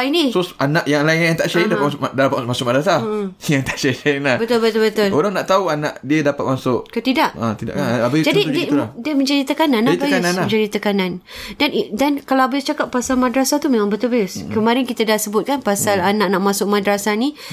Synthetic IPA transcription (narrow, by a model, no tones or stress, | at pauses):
inisɾosanaʔjaŋlaɪnjaŋt̪aʔʃaidapat̪sdapat̪masʊʔ̚madɾasajaŋt̪aʔʃaalabət̪ʊlbət̪ʊlbət̪ʊloɾaŋnaʔt̪auanãʔdiədapat̪̚masʊʔkət̪idaʔat̪ida̰ʔkanabaɪjd͡ʒadiddiəmə̃ɲd͡ʒadit̪əkananatbajaʊnasə̃ɲd͡ʒadit̪əkanãn | danidankalawabajʊst͡ʃakap̚ːasalmadɾasat̪umemãŋbət̪ulbajʊskəmaɾɪnkit̪adahsəbʊt̪̚kanpasalanãʔnaʔmãsʊk̚madɾasani